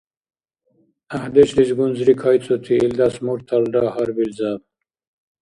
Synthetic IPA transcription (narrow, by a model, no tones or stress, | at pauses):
ahd̪et͡ɕlizɡunzɾikʰajt͡sʼot̪ʰiild̪asmuɾt̪ʰalɖahaɾbilzab